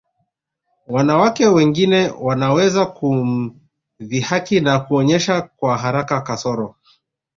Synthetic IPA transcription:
wanawakɛwɛŋɡinɛwanawɛzakum | vihakinakuɔɲɛʃakwaɦaɾakakasɔɾɔ

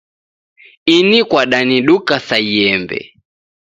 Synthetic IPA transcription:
inikwaɗaniɗukasaiɛmbɛ̰

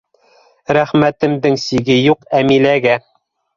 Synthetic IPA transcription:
ɾæχmæt̪ɘ̆md̪ɘŋsiɡɘjuqæmilæɡæ

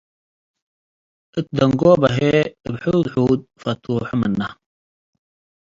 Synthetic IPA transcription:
ət̪̚d̪ɐŋɡoːbɐɦeəbħuːd̪ħuːd̪̚fɐt̪uːħumɐnːɐ̰

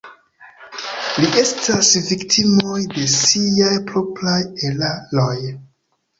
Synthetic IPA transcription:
liʔe̞stʰasviktʰimo̞jde̞sijajpɾopɾajelaloj

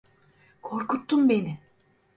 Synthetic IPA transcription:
kʰoɾkut̪ːumbeni

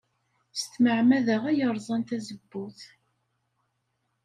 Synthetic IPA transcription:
st̪məʕmæðəʁæjəɾˤzˤɑnt̪æzəbːʊθ

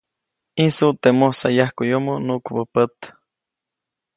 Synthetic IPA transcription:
insuʔt̪emohsajahkujomonukubəpət̪

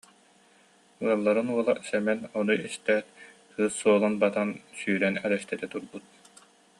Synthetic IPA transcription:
uɔlˠːaɾɯnuɔlˠasɛmɛnɔnuist̪ɛːtt̪ʰɯːsːuɔlˠanbat̪ansyːɾɛnɛlɛst̪ɛt̪ɛt̪uɾbut̪̚

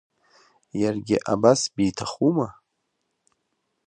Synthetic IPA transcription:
jarɡʲɪʔabasbiːtʰaχuma

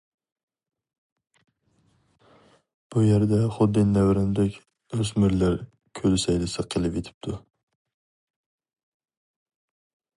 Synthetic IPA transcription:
b̥ʊjaɾd̪aχʊd̪ːɪnːavɾɪnɪd̪ɛkʲ | ɾʊsmɪɾlaɾ | kʲʰɵlsajlɪsɪqʰːɨlˠɪpjet̪ʰɪ̥p̚t̪ʰʊ

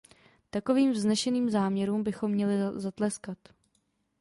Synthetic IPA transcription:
t̪ako̞viːmvznɛʃɛniːmzaːmɲɛɾuːmbɪxo̞mːɲɛlɪzat̪lɛskat̪

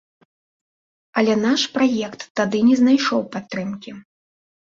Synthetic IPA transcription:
ɐlʲɛnaʂpɾajɛkt̪ːad̪ɨnʲɛznajʂɔwpat̪ːɾɨmkʲi

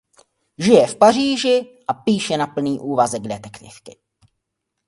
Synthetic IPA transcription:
ʒɪjɛfpar̝iːʒɪʔapiːʃɛnapl̩niːʔuːvazɛɡdɛt̪ɛkt̪ɪ̰fkɪ̥

